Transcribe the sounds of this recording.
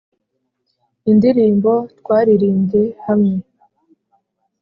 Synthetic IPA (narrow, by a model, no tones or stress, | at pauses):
indiɾiːmbo̞tkwaːɾiɾiːɲɟe̞hamŋe̞